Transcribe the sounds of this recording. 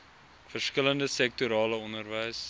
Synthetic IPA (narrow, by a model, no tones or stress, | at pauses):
fərskələndəsɛk̚tuɾɑːləɔnərvɛjs